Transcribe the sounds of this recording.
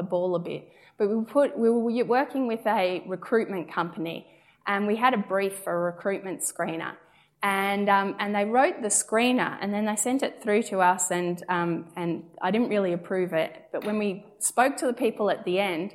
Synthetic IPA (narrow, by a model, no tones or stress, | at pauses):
əbɔʊlˠəbɪ̰t̚ | b̥ʌt̚wiwpʰʊt̚wiwə˞jwɜ˞kɪ̃ŋwɪðɨɹɨkʰɹ̥ʉt̚mɨ̃nkʰʌ̃mpɨnḭ | ʔɨ̃nwiɨɾɨbɹifəɹɨkʰɹ̥ʉt̚mɨ̃ntskɹ̥ĩnə̰˞ | ɨ̃nʌ̃mɨ̃nðeɪɹoʊt̪̚ðɨskɹĩnə̰˞ʔɨ̰̃nðɨ̃nðeɪsɛ̃ntɨt̪̚θɹʉɾəʌsɨ̃nʌ̃mɨ̃na̰ɪɾɪdⁿn̩ʔɹɪlˠiɨpʰɹ̥ʉvɪt̚b̥ʌʔ̚wə̃nwi | spoʊk̚tʰɨðəpʰipl̩ˠɨt̪̚ðiɛ̃nd̥